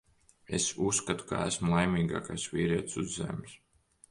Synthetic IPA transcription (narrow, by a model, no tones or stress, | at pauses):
esusːkat̪u̥ka̰æ̰smulˠajmiːɡa̰ːkajsviːɾiɛt̪suzːḛmʲs